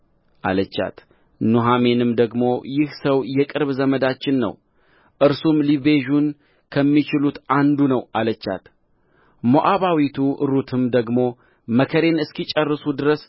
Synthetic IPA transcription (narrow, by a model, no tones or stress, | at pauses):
ʔa̰lət͡ʃːa̰t̪ | nuɦame̞nɨmd̪əɡmo̞jɪhsəwjɛkʼɨɾβzəməd̪at͡ʃːɪnːə̰w | ʔɨɾsumliβe̞ʒun | kʰəmːit͡ʃɪlut̪and̪unəwalət͡ʃːa̰t̪ | moʔaβawit̪ʰuʔɨ̰ɾut̪ʰɨmd̪əɡmo̞ | məkʰəɾe̞nɨskit͡ʃʼərːɨsud̪ɨɾəs